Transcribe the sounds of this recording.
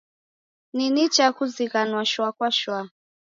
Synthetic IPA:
ninit͡ʃakuziɣanwaʃwakwaʃwa

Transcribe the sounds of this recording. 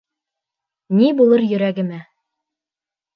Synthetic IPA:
nibulˠɤɾjɵ̆ɾæɡɘ̆mæ

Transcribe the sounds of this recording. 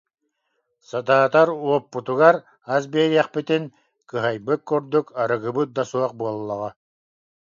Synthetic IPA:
sat̪aːt̪aɾuɔpːut̪uɣaɾ | as̬biːɾiɛχpit̪in | kɯɦajbɯkkːuɾd̪ukaɾɯɡɯbɯt̪̚d̪asuɔq̚buɔlˠːɔʁɑ

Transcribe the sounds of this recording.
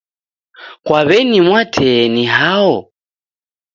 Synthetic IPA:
kwaβɛnimwatʰɛniɦaɔ

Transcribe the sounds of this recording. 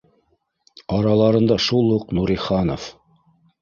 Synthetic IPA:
ɑɾɑlˠɑɾɤ̆nd̪ɑʃulˠuqnuɾiχɑno̰f

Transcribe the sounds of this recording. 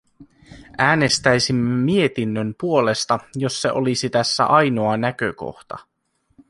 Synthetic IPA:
ʔæːne̞st̪æjsimːemie̞t̪inːømpuo̞le̞st̪ɑjo̞sːe̞̰ʔo̞lisit̪æsːæ̰ʔɑjno̞ɑnækøko̞̰xt̪ɑ̰

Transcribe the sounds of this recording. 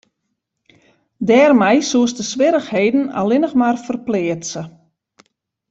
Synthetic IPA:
dɛːrmɛjsuəstəsʋɪɾəxheːdn̩a̰lɪnəxmarfərplɪətsə

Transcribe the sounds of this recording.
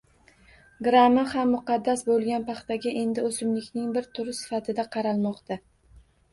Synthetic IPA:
ɡɾamːahamːʊqɑd̪ːasbolˠɡʲanpʰɑχt̪aɡʲaʔe̞nd̪ɪosɪmlɪkʲnɪŋbɪɾt̪ʰʊɾɪsɪ̥fat̪ʰɪd̪aqʰɑɾalˠmɒqt̪ʰa

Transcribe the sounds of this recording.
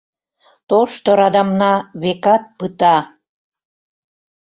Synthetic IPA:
t̪oʃt̪oɾɑd̪ɑmnɑβekɑt̪̚pɯt̪ɑ

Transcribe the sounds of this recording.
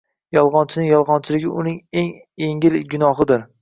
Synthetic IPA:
jɒlˠʁɒnt͡ʃʰɪnɪŋjɒlˠʁɒnt͡ʃʰɪlɪɡʲɪʔʊnɪŋe̞ŋ | eŋɪlɡʲʊnɒɦɨd̪ɪɾ

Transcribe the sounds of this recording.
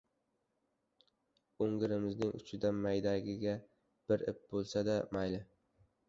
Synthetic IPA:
oŋɡɪɾɪmɪznɪŋʊ̰t͡ʃʰɪd̪anmajd̪aɡʲɪɡʲa | b̥ɪɾɪp̚bolˠsad̪amajlɪ

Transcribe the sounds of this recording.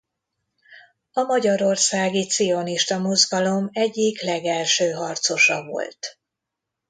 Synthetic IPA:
ɒmɒɟɒɾo̞rsaːɡit̪sio̞niʃt̪ɒmozɡɒlo̞mɛɟːiklɛɡɛlʃøːɦɒrt̪so̞ʃɒvo̞̰lt̪

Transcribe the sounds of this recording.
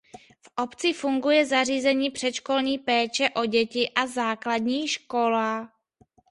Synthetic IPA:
fʔo̞pt͡sɪfuŋɡujɛzariːzɛɲiːpr̝̥ɛt̪ʃkolɲiːpɛːt͡ʃɛʔo̞ɟɛcɪʔazaːkladɲiːʃko̞laː

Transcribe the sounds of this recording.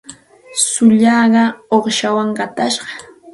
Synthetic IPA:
sʊʎɑːɢɑoχʃawaŋɢɑt̪aʃɢɑ̥

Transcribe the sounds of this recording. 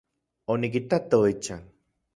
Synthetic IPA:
onikit̪at̪oet͡ʃaŋ

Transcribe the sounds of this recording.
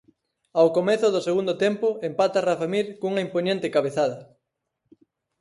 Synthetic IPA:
awkomeθʊðʊseɣund̪ot̪empʊempat̪arafamiɾkuŋɐimpoɲẽnt̪ɪkaβeθaðɐ

